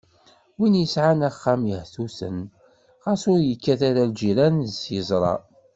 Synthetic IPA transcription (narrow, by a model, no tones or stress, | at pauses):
winjəsʕanæχːamjəhθusə̰n | ʁɑsʊɾjəkːæθaɾald͡ʒiɾænsjəzˤɾˤɑ̰